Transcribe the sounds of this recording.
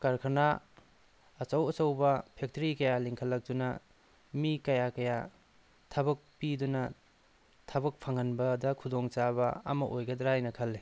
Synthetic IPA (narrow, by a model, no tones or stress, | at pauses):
kaɾkʰɐnaː | t͡ʃɐwɐt͡ʃɐwbɐpʰek̚tɾikɐjaliŋkʰɐlːɐk̚dunɐ | mikɐjakɐja | tʰɐbɐk̚pidunɐ | tʰɐbɐk̚pʰaŋɐnbɐdɐkʰudɔŋt͡ʃabɐɐ̰mɐʔojɡɐdɾajnɐkʰɐlːe